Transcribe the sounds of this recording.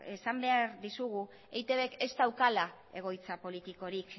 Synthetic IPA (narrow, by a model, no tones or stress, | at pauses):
esambe̞aɾðisuɣ̞u | ejt̪e̞βe̞ke̞zt̪awkala | e̞ɣ̞o̞jt͡sapo̞lit̪iko̞ɾik